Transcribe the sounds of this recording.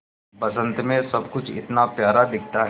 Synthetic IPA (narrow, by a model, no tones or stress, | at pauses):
pɐsə̃nt̪mẽsɐbkʊt͡ʃʰɪ̰t̪napjaːɾad̪ɪk̚ʰt̪aɦ